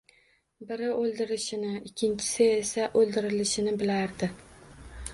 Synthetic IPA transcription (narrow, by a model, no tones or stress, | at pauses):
bɪɾɪɵlˠd̪ɪɾɪʃɪnɪɪkʲʰːɪnt͡ʃʰɪ̥sɪesaʔɵlˠd̪ɪɾɪlɪʃɪnɪbɪlaɾd̪ɪ